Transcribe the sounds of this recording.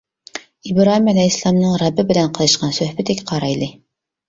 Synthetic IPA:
ibɾɑhimælæjislˠɑmnɨŋɾɑbːɪbɪlɛnqʰəlˠɨʃqɑnsøhbɪt̪ɪkʲqʰɑɾɑjlˠɨ

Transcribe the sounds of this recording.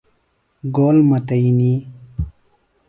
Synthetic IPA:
ɡoːlmɐt̪ɐjini

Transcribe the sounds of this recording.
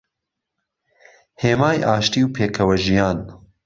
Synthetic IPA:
heːmaːjʔaːʃt̪iːwpʰeːkʰɐwɐʒijaːn

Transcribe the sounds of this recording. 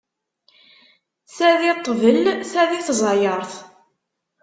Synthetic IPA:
θæðit̪ˤːvəlθæðiθzˤɑjəɾˤθ

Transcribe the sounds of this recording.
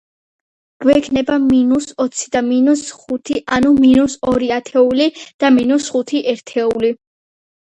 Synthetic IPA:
ɡ̥ɛkʰnɛbaminusɔt̪sʰi̥d̪aminusχut̪ʰiʔanuminusɔɾiat̪ʰɛulid̪̥aminusχut̪ʰiʔɛɾt̪ʰɛuli

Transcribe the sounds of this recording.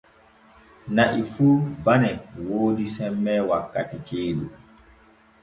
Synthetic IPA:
naʔifuːbanɛwoːdisɛmːɛwakːatikʰeːɗṵ

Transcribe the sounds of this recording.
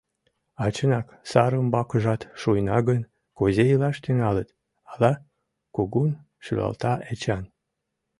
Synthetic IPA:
ɑt͡ɕənɑk | sɑɾəmbɑkəʒɑt̪ʃujnɑɣən | kozejlɑʃt̪yŋɑlət̪ | ɑlɑ | koɣun | ʃy̰lɑ̰lt̪ɑʔet͡ɕɑn

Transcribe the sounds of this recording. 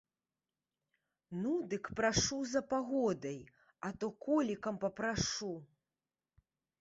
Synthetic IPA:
nud̪ɨkpɾaʂuzɐpaɣɔd̪ɐj | at̪ɔkɔlʲikɐmpɐpɾaʂu

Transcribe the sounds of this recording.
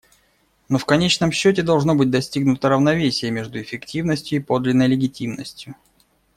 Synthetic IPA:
nofkɐnʲet͡ɕnəmɕːot̬ʲɪd̪ɐlˠʐno̞bɨt̚ʲd̪ɐsʲtʲiɡnʊt̪əɾəvnɐvʲesʲɪjəmʲeʐd̪ʊɪfʲɪktʲivnəsʲtʲjʊipo̞d̪lʲɪnːəjlʲɪɡʲɪtʲimnəsʲtʲjʊ

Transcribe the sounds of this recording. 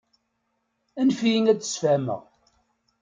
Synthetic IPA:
ænfijiŋæd̪ə̥sfæmə̰ʁ

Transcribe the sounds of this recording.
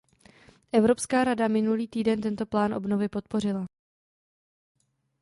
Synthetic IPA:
ʔɛvɾo̞pskaːɾadamɪnuliːt̪iːdɛnt̪ɛnt̪o̞plaːnʔo̞̰bno̞vɪpo̞t̪̚po̞r̝ɪla

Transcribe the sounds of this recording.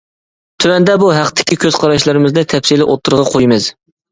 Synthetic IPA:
t̪ʰywɛnd̪ɛbuɦæqt̪ʰɪ̥kʲʰikʲʰøz̥qʰɑɾɑʃlˠɨɾɨmɨznɨt̪ʰɛpsilɪʔot̪ʰːʊɾəʁɑqʰojmɨz̥

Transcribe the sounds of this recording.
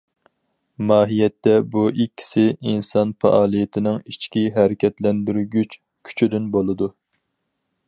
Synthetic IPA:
mɑːɦijɛt̪ːɛbuʔikʲʰːi̥sɪinsɑnfɑ̰ʔɑːlˠijɪt̪ʰɪnɪŋit͡ʃʰkʲiɦɛɾɪkʲʰɛt̪lɛnd̪yɾɡʲyt͡ʃ | kʲʰy̥t͡ʃʰyd̪ynbolˠɨd̪u

